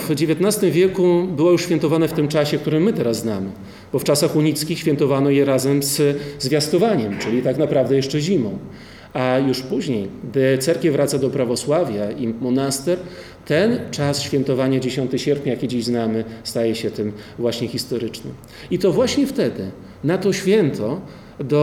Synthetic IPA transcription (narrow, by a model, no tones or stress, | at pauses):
vd͡ʑevʲjet̪nast̪ɘmvʲjɛkubɘwɔjuʂɕfʲjɛnt̪ɔvanɛft̪ɘmt͡ʂaɕɛk̚t̪uɾɘmːɘt̪ɛɾazznamɘ | b̥ɔft͡ʂasaxuɲit̪skʲixɕʲfʲjɛnt̪ɔvanɔjɛɾazɛmzzvʲjast̪ɔvaɲɛmt͡ʂɘlʲit̪aknapɾavd̪ɛjɛʂt͡ʂɛʑimɔ̃w̃ | ajuʂpuʑɲejɡd̪ɘt̪sɛɾkʲɛvɾat̪sad̪ɔpɾavɔswavʲjaimɔnast̪ɛɾ | t̪ɛnt͡ʂasɕfʲjɛnt̪ɔvaɲad͡ʑeɕɔnt̪ɨɕɛɾpʲɲajakʲed͡ʑiʑznamɘst̪ajɛɕɛt̪ɘmvwaɕɲɛxʲist̪ɔɾɘt͡ʂnɘ̰m | it̪ɔvwaɕɲɛft̪ɛd̪ɘ | nat̪ɔɕfʲjɛnt̪ʰɔ | d̪ɔ